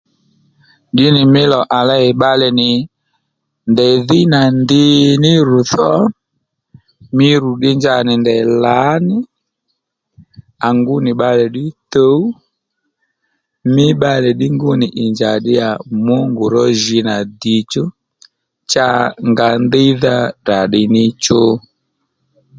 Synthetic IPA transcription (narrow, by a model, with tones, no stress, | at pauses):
ɗɪ˦nɪ˨mɪ˦lɔ˨ʔa˨la˦ɛ˨ɓa˦lɛ˨nɪ˨ | ndɛ˨ðɪ˦na˨ndɪ˦nɪ˦ɾu˨θɔ˦ | mɪ˦ɾu˨ɗɪ˦ɲd͡ʒa˧nɪ˨ndɛ˨la˨˦nɪ˦ | a˨ŋɡʊ˦nɪ˨ɓa˧lɛ˨ɗɪ˦to˦u˦ | mɪ˦ɓa˦lɛ˨ɗɪ˦ŋɡʊ˦nɪ˨ʔɪ˨nd͡ʒa˨ɗɪ˦ja˨mʊ˦ŋɡʊ˨ɾɔ˦ʒɪ˧na˨di˨t͡ʃo˦ | t͡ʃa˦ŋɡa˨ndɪ˦ða˦da˨ɗɪ˨nɪ˦t͡ʃo˦